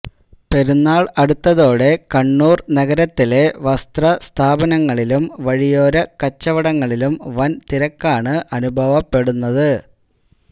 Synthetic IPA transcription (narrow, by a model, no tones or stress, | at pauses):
pe̞ɾunːaːɭɐɽut̪ːɐðo̞ːɽe̞kɐɳːuːrnɐɡɐɾɐt̪ːile̞ʋɐst̪rɐst̪ʰaːbɐnɐŋːɐɭilumʋɐɻijo̞ːɾɐkɐt͡ɕːɐʋɐɽɐŋːɐɭilumʋɐnt̪iɾɐkːaːɳɨʔɐnubʱɐʋɐpːe̞ɽunːɐðɨ